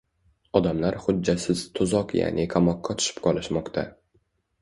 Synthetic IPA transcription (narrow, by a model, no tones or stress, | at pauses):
ɒd̪amlaɾχʊdːasɪz̥t̪ʰʊzɒqja̰nʔɪkʰamɒqʰːat̪ʰʊ̥ʃɪ̥pqʰɒlˠɪʃmɒqt̪ʰa̰